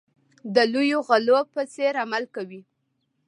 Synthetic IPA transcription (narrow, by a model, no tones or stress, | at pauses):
d̪əlujoɣalopət͡seɾamalkawi